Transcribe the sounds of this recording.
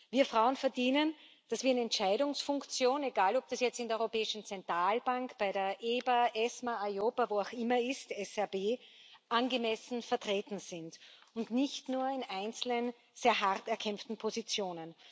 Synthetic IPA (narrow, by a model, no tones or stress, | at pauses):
viːɐfʁaʊənfɛɐdiːnən | d̥asv̥iːɐɪnɛntʃaɪɾʊŋsfʊŋkt͡sjoːneɡaːlɔp̚d̥asjɛt͡stɪndeɐɔʁopɛːɪʃn̩t͡sɛntʁaːlb̥aŋkb̥aɪɾeːɐʔeːbaʔɛsmaajoːpavoːaʊxɪmɐɪstɛsabeːʔanɡəmɛsn̩fɛɐtʁ̥eːtn̩zɪntʊntnɪçtnuːɐɪnʔæɪnt͡sl̩ən | z̥eːɐɦaʁtɛɐkʰɛmftn̩pʰozit͡sjoːnən